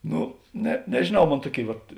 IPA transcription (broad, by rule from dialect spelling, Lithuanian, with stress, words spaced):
ˈnʊ nʲɛ nʲɛʒʲeːˈnɐʊ ˈmoːn ˈtuɔˌkʲeːɪ ʋɐt